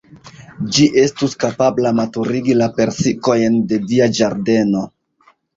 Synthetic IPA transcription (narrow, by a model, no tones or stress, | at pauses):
d͡ʒiʔe̞stuskapablamatuɾiɡilape̞ɾsiko̞jnde̞diad͡ʒaɾde̞no̞